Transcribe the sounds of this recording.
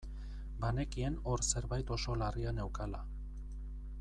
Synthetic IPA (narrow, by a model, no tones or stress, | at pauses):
bane̞kie̞no̞ɾse̞ɾβajt̪o̞so̞lariane̞wkala